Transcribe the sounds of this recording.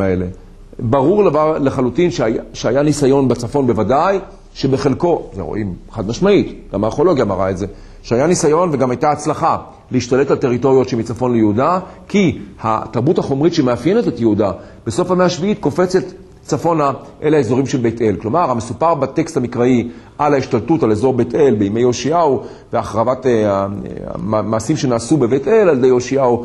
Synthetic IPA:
ele̞ | baʁuʁlleχalutinʃʃeajanisajo̞nbat͡safo̞nbe̞vadaj | ʃe̞beχe̞lko̞zḛʁo̰ʔimχad̪maʃmaitɡ̥amaʁχo̞lo̞ɡjamaʁa̰etze̞ | ʃeajanisajo̞nve̞ɡamajtaat͡slaχa | lehiʃtaletalte̞ʁito̞ʁjo̞tʃemit͡safo̞nlejeuda | kiha̰taʁbuthaχo̞mʁitʃemeafje̞netetjeuda | b̥e̞so̞famehaʃviitko̞fe̞t͡set | t͡safo̞naʔe̞laezo̞ʁimʃe̞lbete̞lklo̞maʁhamesupaʁbate̞kst̪amikʁaiʔalaiʃtaltutalezo̞ʁbete̞lbeimejo̞ʃiau | veaχʁavat | maːsimʃe̞naːsube̞ve̞te̞lald̪ejo̞ʃiau

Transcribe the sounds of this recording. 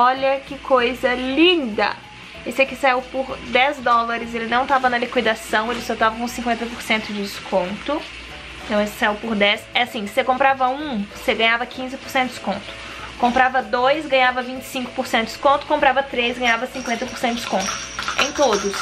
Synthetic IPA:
ɔʎɐkɪkʰojzɐlĩnd̪ɐ̰ | esɪɛkɪsaiwpʊɾd̪ɛzd̪ɔlɐɾɪzelɪnɐ̃w̃t̪avɐnɐlikwid̪asɐ̃w̃elɪsot̪avɐkõsĩŋkwẽnt̪ɐpoɾsẽnt̪ʊd͡ʒɪd͡ʒɪskʰõnt̪ʊ | ẽt̪ɐ̃w̃esɪ̥sajuwpʊɾd̪ɛsɛasĩsekõmpɾavɐũseɡɐ̃ɲavɐkʰĩzɪpoɾsẽnʊd͡ʒɪ̥skõnt̪ʊ̥ | kõmpɾavɐd̪ojsɡɐ̃ɲavɐvĩt͡ʃɪ̥sĩŋkʊ̥poɾsẽnt̪ʊd͡ʒ̥ɪ̥skõnt̪ʊ̥kõpɾavɐt̪ɾezɡɐ̃ɲ̃avɐsĩkwẽnt̪ɐpoɾsẽt̪ʊd͡ʒɪ̥skõnt̪ʊ̥ḛ̃j̃t̪od̪ʊs

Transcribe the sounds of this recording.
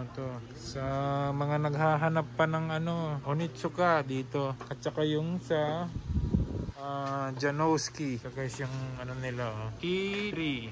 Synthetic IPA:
ot̪o | sɐmɐŋanɐɡɦaɦɐnɐpːɐnɐŋɐno̞ʔonɪt̪̚sʊkad̪iːt̪o̞kɐt͡ʃɐkajʊŋsɐ | ʔad͡ʒɐnowskikɐkasjʊŋʔɐnonɪlaʔokiɾi

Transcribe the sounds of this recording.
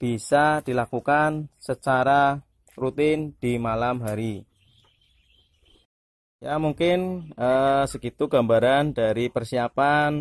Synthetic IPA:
b̥isad̥ilakukansət͡ʃaɾa | rut̪ɪnd̥imalamɦaɾi | jamuŋkɪnəsəkit̪uɡ̥ambaɾandaɾipərsiapan

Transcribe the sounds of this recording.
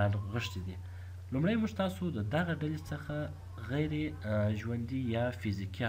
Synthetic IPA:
nɣəʂt̪ed̪i | lumɽajmuʒt̪ɑsod̪əd̪aɣaɖalet͡səxa | ɣajɾeʒwand̪ijɑfiziki

